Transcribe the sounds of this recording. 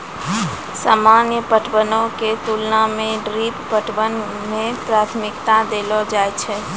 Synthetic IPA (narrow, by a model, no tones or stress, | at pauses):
saːmanjəpəʈʰbənõket̪ulnamẽɖɾippəʈʰbən | mepɾat̪ʰmikt̪ad̪elɔd͡ʒajt͡ʃʰɛ